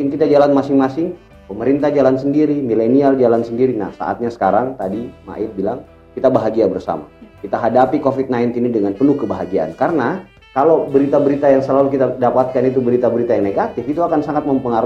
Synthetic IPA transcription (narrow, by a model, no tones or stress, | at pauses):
ɪnkit̪ad͡ʒalanmasɪŋmasɪŋ | pəməɾint̪ahd͡ʒalansəndiɾimileniald͡ʒalansəndiɾina̰hsa̰ʔa̰t̪̚ɲasə̥kaɾaŋt̪adima̰ʔɪt̪̚bilaŋ | kit̪abaɦaɡiabərsa̰ma̰kit̪aɦadapikofit̪̚naint̪inidəŋanpənuhkəbaɦaɡiaa̰nkarəna | kalowbəɾit̪abəɾit̪ajaŋsəlalukit̪adapat̪̚kanit̪ubəɾit̪abəɾit̪ajaŋneɡat̪ɪfit̪uakansaŋat̪̚məmpəŋaɾ